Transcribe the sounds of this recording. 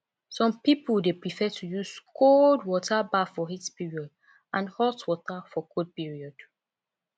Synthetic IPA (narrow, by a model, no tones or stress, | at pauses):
sɔ̃mpipuldepɹifɛtʰujuskʰoldwɔtʰabafɔhitpiɹiɔd | ãnhɔtwɔtafɔkʰod̚piɹiɔd̥